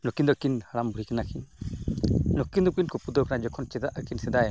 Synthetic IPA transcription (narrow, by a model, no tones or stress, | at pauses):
nɔkind̪ɔkinhaɾambuɾikanakʰin | nɔkind̪ɔp̚kinkupud̪ɔkanad͡ʒɔkʰɔnt͡ʃɛd̪aʔakinsɛd̪aj